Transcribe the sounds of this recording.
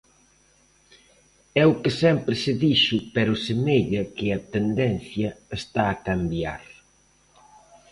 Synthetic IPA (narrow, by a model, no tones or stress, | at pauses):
ɛʊkɪsɛmpɾɪsɪðiʃʊpɛɾʊsemeʎɐkɪɐt̪end̪ɛn̟θjɐest̪aːkambja̰ɾ